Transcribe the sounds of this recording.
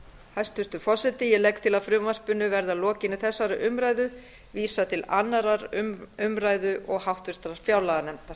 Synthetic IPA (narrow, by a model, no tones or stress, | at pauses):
hajst̪vʏɾ̥t̪ʏɾfɔsɛt̪ɪjɛlɛkt̪ʰɪlaðfɾʏmvar̥pʏnʏvɛɾðalɔːcɪnɪθɛsːaɾʏʔʏmɾajðʏ | viːsat̪ʰɪlanːaɾaɾʏʏmɾaːjðʏʔɔɣhawht̪vʏɾ̥t̪aɾaɾ̥fjawlaɣanɛmt̪aɾ̥